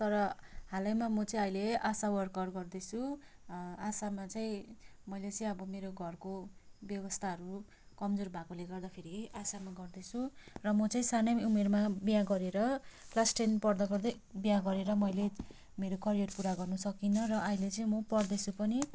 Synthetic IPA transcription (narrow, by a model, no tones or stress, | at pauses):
t̪ʌɾʌhalʌjmamʌt͡sʌĩʌjleasawʌrkʌrɡʌrd̪ʌt͡sʰu | asamat͡saĩmʌjlet͡sʌĩʌbʌmeɾoɡʱʌrkobjʌbʌst̪ʰaɦʌɾu | kʌmd͡zorbʱakoleɡʌrd̪apʰeɾiasamaɡʌrd̪ʌt͡sʰurʌmʌt͡sʌĩsanʌumermabijaɡʌɾeɾʌplasʈenpʌrd̪ʌpʰʌrd̪ʌ | bijaɡʌɾeɾʌmʌjle | meɾokʌɾijeʈpuɾaɡʌrnʌsʌkinʌrʌʔːilet͡sʌĩmʌpʌrd̪ʌt͡sʰupʌni